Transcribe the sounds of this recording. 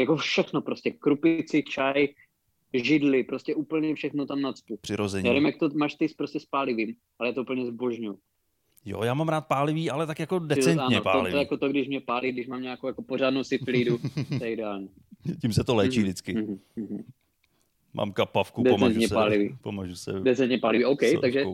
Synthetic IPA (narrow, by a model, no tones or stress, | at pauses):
jakofʃɛxnopɾoscɛkɾupɪt͡sɪt͡ʃaj | ʒɪdlɪpɾo̞scʲɛuːpl̩ɲɛfʃɛxnot̪amnat͡spupr̥ɪɾozɛɲjaːvimjakt̪omaːʃt̪ɪspɾoscɛspaːlɪviːm | ʔalɛjaːt̪oup̩ɲɛzboʒɲuw | jo̰jaːmamɾaːt̪̚paːlɪviːʔalɛt̪akjakodɛt͡sɛntaːɲɛpaolɪɛjakot̪oɡdɪʃmɲɛpaːliɡdɪʃmaːmɲaːkowjakopoɾaːdnowsɪt̪liːduɛjɛɪdɛaːlɲɛ | cimsɛt̪olɛːt͡ʃiːvdɪt͡skɪɦ̩ɦm̩ | mʔa̰ːmkapafkudɛomɛant̪ɲɛsaːlɪvḭːpomaʒusɛ̰dɛt͡sɛnt̪ɲɛpaːlɪviʔowkɛj̪aɡʒɛ